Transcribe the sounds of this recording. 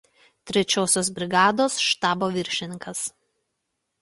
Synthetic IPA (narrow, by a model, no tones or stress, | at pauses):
t̪ʲɾʲɛt͡ʃʲoːsʲoːs̬bʲɾʲɪɡɑːd̪oːsʃt̪ɑːboːʋʲɪɾʲʃʲɪnʲɪŋkɐs